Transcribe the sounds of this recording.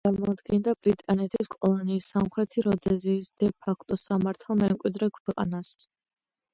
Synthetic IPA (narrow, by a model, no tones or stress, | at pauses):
t̪sʼaɾmɔad̪ɡɛnd̪abɾit̪ʼanɛt̪ʰiskʼɔlˠɔniːsamχɾɛt̪ʰiɾɔd̪ɛziːsd̪̥ɛpʰakʰt̪ʼɔsamaɾt̪ʰalˠmɛmkʼwid̪ɾɛkʰwɛqʼa̰nas